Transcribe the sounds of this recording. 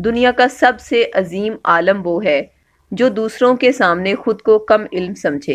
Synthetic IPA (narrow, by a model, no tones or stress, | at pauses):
d̪ʊnijakasɐbseʔɐziːmaːləmʋoɦɛː | d͡ʒoːd̪uːsɾõkesaːmnexʊd̪kokɐmɪlmsɐ̃md͡ʒʱeː